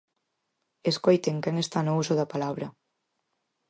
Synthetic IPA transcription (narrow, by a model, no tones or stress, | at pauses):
eskojt̪eŋkɛŋest̪anousʊðɐpalaβɾɐ